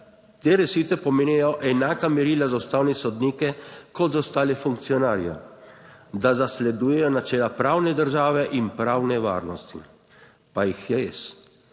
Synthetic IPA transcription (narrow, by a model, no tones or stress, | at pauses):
t̪eːɾɛʃiːt̪ɛpɔmeːniɛjɔʔɛnaːkamɛɾilazaust̪aːwnɛsɔd̪niːkɛkɔt̪zawst̪aːlɛfuŋk̚t̪sijɔnaːɾja̰ | d̪azaslɛd̪uːjɛjɔnat͡ʃɛːlapɾaːwnɛd̪əɾʒaːʋɛʔinpɾaːwnɛʋa̰ːɾnɔst̪ḭ | pajixjɛes